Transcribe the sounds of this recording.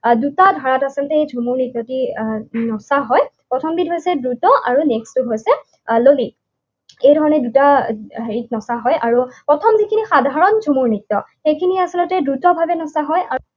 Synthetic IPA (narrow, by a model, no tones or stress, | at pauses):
dutadʱaɹatasiltɛejzʱumuɹnitːɔtinɔsaɦɔjpɹɔtʰɔmbid̚ɦojsɛdɹutɔʔaɹunɛkstuɦojsɛ | loli | ejdʱɔɹɔnɛdutaeɹit̚nɔsaɦɔjʔaɹupɹɔtʰɔmzikʰinixadʱaɹɔnzʱumuɹnitːɔxejkʰiniasilɔtɛdɹutɔbʱabɛnɔsaɦɔja